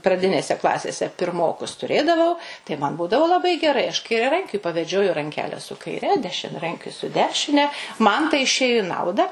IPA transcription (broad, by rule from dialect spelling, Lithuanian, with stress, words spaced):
prɐˈdʲɪnʲeːsʲɛ ˈklˠɑːsʲeːsʲɛ pʲɪrˈmoːkʊs tʊˈrʲeːdɐʋɐʊ tɐɪ ˈmɐn ˈbuːdɐʋoː lˠɐˈbɐɪ ɡʲɛˈrɐɪ ɐʃ kɐɪrʲɛˈrɐŋʲkʲʊɪ pɐʋʲɛˈd͡ʒʲoːjʊ rɐŋʲˈkʲæːlʲɛ sʊ kɐɪˈrʲɛ dʲɛʃʲɪnʲɛˈrɐŋʲkʲʊɪ sʊ ˈdʲæːʃʲɪnʲɛ ˈmɐn tɐɪ ɪʃʲˈeːjʊ ɪ ˈnɐʊdɐ